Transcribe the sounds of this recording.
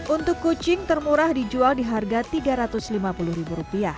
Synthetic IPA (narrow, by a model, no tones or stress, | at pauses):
ʔunt̪ʊkːot͡ʃɪŋt̪ərmuɾahdid͡ʒualdiɦarɡat̪iɡaɾat̪ʊslimapulʊhɾibuɾupiah